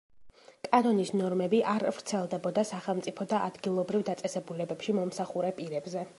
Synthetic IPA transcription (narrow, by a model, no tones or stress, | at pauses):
kʼanɔnisnɔɾmɛbiʔaɾvɾt̪sʰɛlˠd̪ɛbɔd̪asaχɛlˠmt̪ʼipʰɔd̪aʔa̰d̪ɡilˠɔbɾivd̪at̪sʼɛsɛbulɛbɛpʃimɔmsaχuɾɛpʼiɾɛbzɛ